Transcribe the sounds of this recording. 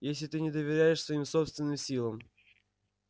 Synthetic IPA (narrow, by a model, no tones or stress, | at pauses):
jesʲlʲɪt̪ɨnʲɪd̪əvʲɪɾʲæjɪʂsvɐimsopst̪vʲɪnːɨmsʲilˠəm